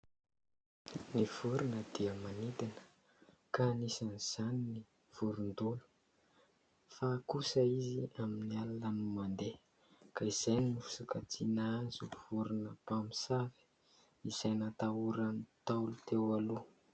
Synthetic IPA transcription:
niv̥uɾunəd̪̥iəmanit̪anə̥ | kanisaniz̥anini | v̥uɾund̪ulu̥ | fakusəiziaminialalənumand̪e | kaiz̥ajninifu̥sukat͡sinaazuv̥uɾunəpamisavi̥ | iz̥ajnat̪auɾanit̪awlut̪ewalu

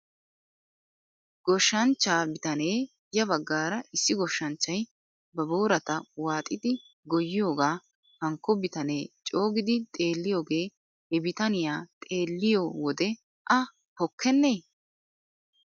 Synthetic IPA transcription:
ɡ̥ɔʃːɐnt͡ʃːaːbɪt̪ɐne̞ː | jɐβɐɡːaːɾɐɪsːɪɡɔʃːɐnt͡ʃːɐj | bɐboːɾɐt̪ɐwaːt̪ʼɪd̪ɪ | ɡɔjːɪjo̞ːɡaː | hɐŋkːɔbɪt̪ɐne̞ːt͡ʃʼo̞ːɡɪd̪ɪt̪ʼe̞ːlːɪjo̞ːɡe̞ː | hɛbɪt̪ɐnɪjaːt̪ʼe̞ːlːɪjoːwɔd̪ɛ | ʔɐ | pɔkʰːɛnːe̞ː

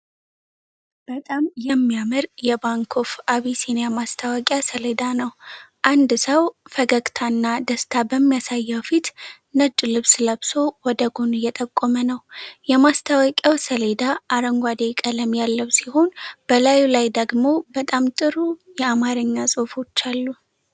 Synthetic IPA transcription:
b̥ət̪ʼamjɛmːijamɨɾjɛbaŋkʰofaβisenejamast̪ʰəwakʼjasəled̪anəwʔand̪səwfəɡəkʼt̪ʰanːad̪əst̪ʰabəmːijasajːəwfit̪ | nət͡ʃʼːlɨβsləβso̞wɔd̪əɡonɨjɛt̪ʼəkʼːomənəwjɛmast̪ʰawakʼjawsəle̞d̪aaɾəŋɡʷad̪ekʼələmjalːəwsiho̞nb̥əlajulajd̪əɡmo̞bət̪ʼamt̪ʼɨɾujɛamaɾɨɲːasʼofo̞t͡ʃːalːu

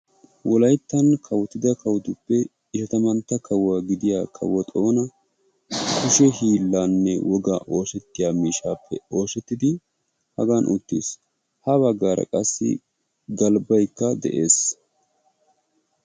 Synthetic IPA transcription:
wɔlɐjt̪ːɐnkʰɐwt̪ːɪd̪ɐkɐwd̪ʊpːɛ | ɪʃɐt̪ɐmɐnt̪ːɐkʰɐwːaːɡɪd̪ɪjaːkʰɐ̰wɔt̪ʼo̞ːnɐ | kʊʃɛhiːlːaːnːɛ̰wʔɔɡɐ̰ʔo̞ːsɛt̪ːɪjaːmiːʃaːpːɛo̞ːsɛt̪ːɪd̪ɪ | hɐɡanʔʊ̰t̪ːḭːs | hɐbɐɡːaːɾɐ̰kʼɐsːɪ̰ | ɡɐlbɐjkːɐd̪ɛ̰ʔe̞ːs

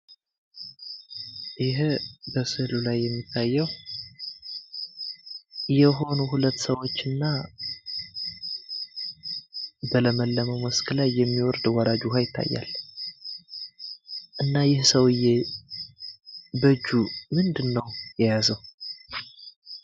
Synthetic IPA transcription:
jɪɦbəsɨlulajːɛmːit̪ʰːajːɛw | jɛɦo̞nuɦulət̪ːsəwo̞t͡ʃːɨnːa | bələməlːəməwməskʰlajːɛmːiwɔɾd̪wɔɾad͡ʒuɦajɪt̪ʰːa̰jːa̰l | ʔɨnːajɪhsəwɨjːe | bəd͡ʒːumɨnd̪ɨnːəwjɛjazəw

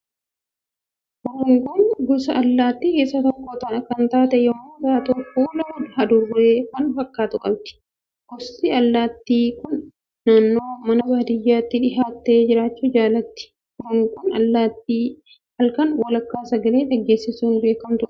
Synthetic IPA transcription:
ʔɔɾʊŋkʊnɡɔsɐʔɐlːaːt̪ːikeːsːɐt̪ɔkːoːt̪ɐnɐkɐnt̪aːt̪ɛjɔmunzaːt̪ʊfuːlɐʊdhɐd̪ʊrːeːfɐnfɐkːaːt̪ʊkʼɐbt̪ɪ̥ | ɡɔst̪ɪɐlːaːt̪ːiːkʊnː | aːnːo̞ːmɐnɐbaːd̪ɪjːaːt̪ːɪᶑɪɦaːt̪ːe̞ːd͡ʒɪɾaːt͡ʃːʊd͡ʒaːlɐt̪ːɪ̥ | wɔɾʊŋkʊnɐlːaːt̪ːiː | hɐlkɐnwɐlɐkːaːsɐɡɐleːᶑɐɡːe̞ːsːɪsuːnbe̞ːkɐmt̪ʊʔ

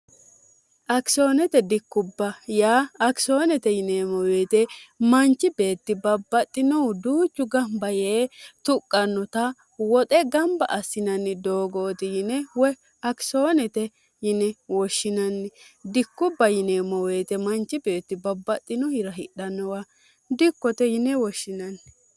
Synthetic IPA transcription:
ʔɐkso̞ːnɛt̪ɛd̪ɪkːʊbːɐjaːɐksoːnɛt̪ɛjɪnemɔwe̞ːt̪ɛmɐnt͡ʃːɪbe̞ːt̪ːɪbɐbːɐt̪ʼːɪnɔd̪uːt͡ʃːʊɡɐmbɐjeːt̪ʊkʼːɐnːɔt̪ɐ | wɔt̪ʼɛɡɐmbɐʔɐsːɪnɐnːɪd̪oːɡoːt̪ɪjɪnɛwɔ | ɐksoːnɛt̪ɛ | jɪnɛwɔʃːɪnɐnːɛd̪ɪkːʊbːɐjɪneːmɔweːt̪ɛmɐnt͡ʃːɪbeːt̪ːɪbɐbːɐt̪ʼːɪnɔhɪɾɐɦɪɗɐnːɔwa | d̪ɪkːɔt̪ɛjɪnɛwɔʃːɪnɐnː

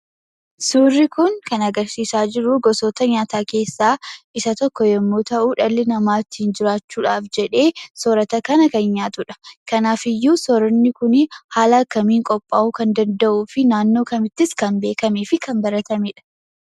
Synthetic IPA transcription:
suːrːɪkʊŋkɐnɐɡɐɾsiːsaːd͡ʒɪɾʊɡɔsoːt̪ɐɲaːt̪aːke̞ːsːaːʔɪsɐt̪ɔkːɔjɛmːoːt̪ɐʔuːᶑɐlːɪnɐmaːt̪ːɪhɪnd͡ʒɪɾaːt͡ʃːuːᶑaːfd͡ʒɛᶑe̞ːsɔɾɐt̪ɐkɐnɐkɐnɲaːt̪ʊᶑɐ̥kɐnaːfɪjːuːsɔɾɔnːɪkʊnɪhaːlɐkːɐmiːŋkʼɔpʼːaːʔukɐnd̪ɐnd̪ɐʔuːfɪnaːnːo̞ːkɐmɪt̪ːɪskɐnbe̞ːkɐmeːfɪkʰɐmbɐɾɐt̪ɐmeːᶑɐ̥

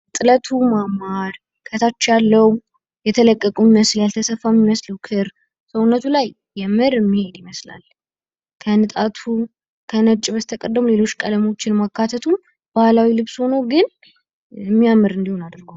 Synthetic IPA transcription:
t̪ʼɨlət̪ʰumamːaɾ | kʰət̪ʰat͡ʃːjalːəw | jɛt̪ʰələkʼːəkʼumiməsljalt̪ʰəsəfːamːiməsləwkʰɨɾ | səwʊnːət̪ʰulajːɛmɨɾɨmːihed̪iməsla̰l | kʰənɨt̪ʼat̪ʰu | kʰənət͡ʃʼːɪβəst̪ʰəkʼəd̪ːəmule̞lo̞t͡ʃːkʼələmo̞t͡ʃːɪnmakʰːat̪ʰət̪ʰu | b̥ahlawilɨβsho̞nəwɡɨn | ɛmːijamːɨɾɨnd̪ihonad̪ɾɡəw

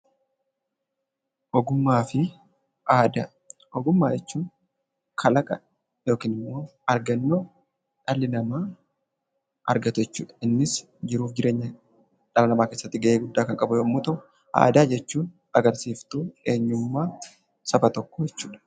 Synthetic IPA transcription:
ʔɔɡʊmːaːfɪ | aːd̪ɐ | ɔɡʊmːaːd͡ʒɛt͡ʃːuːn | kʰɐlɐkʼɐ | jo̞ːkiːnɪmːo̞ːɐɾɡɐnːo̞ː | ᶑɐlːɪnɐmaː | ʔɐ̰ɾɡɐt̪ʊjɛt͡ʃːuːᶑɐɪnːɪs | d͡ʒɪɾuːfd͡ʒɪɾe̞ːɲːɐ | ᶑɐlɐnɐmaːkeːsːɐt̪ːɪɡɐʔeːɡʊd̪ːaːkɐŋkʼɐbʊjoːmːoːt̪ɐʔʊ | a̰ːd̪aːd͡ʒɛt͡ʃːuːn | ɐɡɐɾsiːft̪uːe̞ːɲːʊmːaː | sɐfɐt̪ɔkːojɛt͡ʃːuːᶑɐ̥

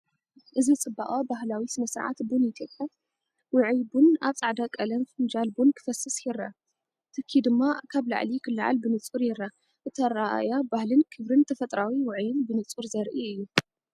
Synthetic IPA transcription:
ʔɨzit͡sʼɨbaʔʼabaɦlawisɨmɐsɾa̰ʕa̰t̪bunit̪ʰjopʼja | wʊʕjbuna̰βt͡sʼaʕd̪akʼɐlɐnfɨnd͡ʒalbunkʰɨ̥fɐsɨsjɪɾːa | t̪ʰɨkʰːid̪ɨmːakʰaβla̰ʕlikʰɨlːaʕa̰lbɨnɨt͡sʼuɾjɪɾːa | ʔɨt̪ʰɐɾaʔa̰jabahlɨnkʰɨβɾɨnt̪ʰɐfɐt̪ʼɾawiwʊʕjɪnbɨnɨt͡sʼuɾzɐɾʔiɨjːu

